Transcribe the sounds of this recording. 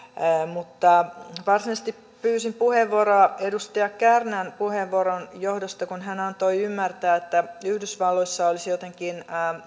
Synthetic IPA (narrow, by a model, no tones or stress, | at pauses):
mut̪ːɑʋɑrsinɑst̪ip | pyːsimpuheʋːoɾoɑedust̪iɑkkærnænpuheʋːooɾonjohdost̪ɑkunɦænɑnt̪oiymːært̪æːet̪ːæyhdysʋɑlːoisːɑolisjot̪eŋkinː